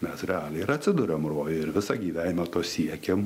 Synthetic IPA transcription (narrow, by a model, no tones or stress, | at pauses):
mʲɛsɾʲɛɑːlʲɛɪɪɾɐt̪ʲsʲɪd̪ʊɾʲɛmroːjoɪɾʋʲɪsɑɡʲiːʋʲæːnʲɪmɐt̪oːsʲiɛkʲɛm